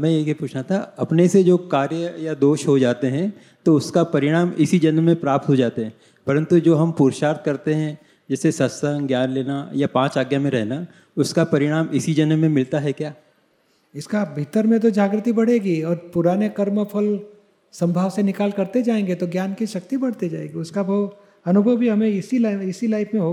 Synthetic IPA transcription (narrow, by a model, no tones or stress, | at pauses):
mɛ̃jeɡipuːt͡ʃʰnat̪ʰaɐpnesed͡ʒoːkaːɾjəjad̪oːʃɦod͡ʒaːt̪eɦɛ̃ | t̪oʊskapɐɾɪɽ̃aːmɪsid͡ʒɐnmẽpɾaːp̚t̪ɦod͡ʒaːt̪eɦɛ̃ | pɐɾə̃nt̪ud͡ʒoːɦɐmpuːɾʃaːɾt̪̚kɐɾt̪eɦɛ̃ | d͡ʒɛːsesɐsəŋɡjaːnleːnajapãːt͡ʃaːɡjamẽɾɛɦna | ʊskapɐɾɪɽ̃aːmɪsid͡ʒɐnəmẽmɪlt̪aɦɛkjaː | ɪskabʱit̪əɾmẽt̪̬od͡ʒaːɡɾɪt̪ibɐɽ̤eːɡiɔːɾpʊɾaːnekɐɾməpʰɐl | sɐ̃mbʱaːʋsenɪkaːlkɐɾt̪ed͡ʒaːẽːŋɡet̪oɡjaːnkiʃɐk̚t̪ibɐɽ̤t̪ed͡ʒaːḛ̃ŋɡeʊskabo | ɐnʊbʱəwbʱiɦɐmẽɪsilaɪsilaːɪfmẽɦo